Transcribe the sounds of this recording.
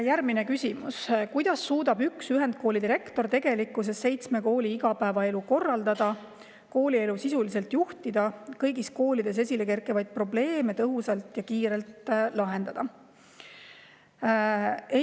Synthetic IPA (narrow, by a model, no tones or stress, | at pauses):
jærmine̞kysʲimuskujd̪̥ɑsːuːd̪ɑbyksyɦe̞nd̪̥̚ko̞ːlid̪iɾe̞kt̪o̞rt̪e̞ɡ̥e̞likːˑus̬e̞sːe̞jt̪sme̞ko̞ːliiɡɑpæːvɑe̞luko̞rːɑld̪̥ɑd̪̥ɑ | ko̞ːlie̞lusisulise̞lt̪juht̪id̪̥ɑkɤjɡisko̞ːlid̪̥e̞s̬e̞s̬ʲile̞ke̞rkˑevɑjd̪̥̚pro̞ble̞ːmet̪ɤɦusɑlt̪jɑkiːɾe̞lt̪lɑɦe̞nd̪̥ɑd̪̥ɑ | e